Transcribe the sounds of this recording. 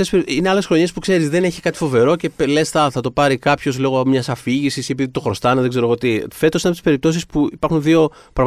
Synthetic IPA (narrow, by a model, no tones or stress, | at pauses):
espeineɐle̞sxɾo̞ɲe̞spukse̞ɾizðe̞ne̞çi̥kɐt̪i̥fo̞ve̞ɾo̞cepelesθɐθɐt̪o̞pɐɾikɐpço̞zloɣoomɲɐsɐfiʝisisepiðit̪o̞xɾo̞st̪ɐneðeɡzeɾo̞ɣot̪ife̞t̪osinɐp̪t̪spe̞ɾip̚t̪o̞sispuipɐɾxunðio̞ | pɾɐɣ